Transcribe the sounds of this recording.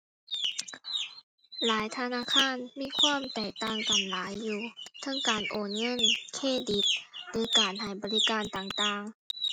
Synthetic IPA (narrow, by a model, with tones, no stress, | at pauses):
laː˨˦jt̪ʰa˧naː˧˥˨kʰaː˧˥˨nmiː˧˥˨kʰwaː˧˥˨mt̪ɛː˨˩k̚t̪aː˧˥˩ŋka˨˩mlaː˨˦jːuː˧˩t̪ʰɤ˧˥˨ŋkaː˨˩nʔoː˨˩nŋɤ˧˥˨nkʰeː˧˥˩di˨˦˥t̪̚doː˧jkaː˨˩nha˨˩jbɔː˨˦li˦˥kaː˧˨nt̪aː˨˩ŋt̪aː˧˩ŋ